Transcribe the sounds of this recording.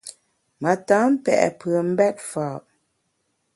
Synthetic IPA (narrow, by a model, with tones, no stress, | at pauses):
ma˨tãː˨˦m̩˦pɛ̰˨ʔɛ̰˨pə˨m̩˦bɛ˦t̚faː˨ʔ